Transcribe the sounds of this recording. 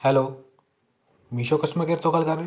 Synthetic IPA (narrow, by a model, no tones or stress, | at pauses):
hɛlo | miɕokəsʈmakeɾt̪okalkaɾ